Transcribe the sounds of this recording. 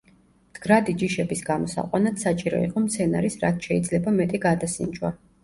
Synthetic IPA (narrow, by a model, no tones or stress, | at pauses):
md̪̥ɡɾad̪id͡ʒiʃɛbisɡamɔsa̰qʼwanat̪sat͡ʃʼiɾɔ̰ḭqʼɔmt̪sʰɛnaɾisɾat̪ʰʃɛid̪zlɛbamɛt̪ʼiɡad̪asḭnd͡ʒwa̰